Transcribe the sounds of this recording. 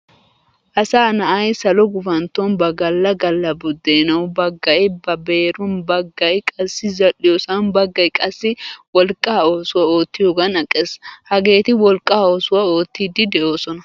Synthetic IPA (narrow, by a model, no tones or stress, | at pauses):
ʔɐsaːnɐʔɐjsɐlɔɡʊfɐnt̪ːɔnbɐɡɐlːɐɡɐlːɐbʊd̪ːeːnɐwbɐɡːɐjbɐbe̞ːɾʊnbɐɡːɐjkʼɐsːɪzɐlːɪjɔsɐnbɐɡːɐjkʼɐsːɪwɔlkʼːaoːsʊwɐo̞ːt̪ːɪjoɡɐnɐkʼeshɐɡe̞ːt̪ɪwɔlkʼːaːoːsʊwɐo̞ːt̪ːiːd̪ːɪd̪ɛʔo̞ːsɔnɐ